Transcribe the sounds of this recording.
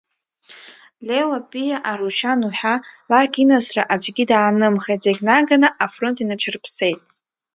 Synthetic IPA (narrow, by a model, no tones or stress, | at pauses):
lewapʼijaʔaruʃʰanuħʷᶣalakʲinasraʔad͡ʒʷɡʲidaːnɨmχejtzeɡʲnaɡanaʔafro̞ntʰinaʈ͡ʂʰɨrpʰse̞jtʼ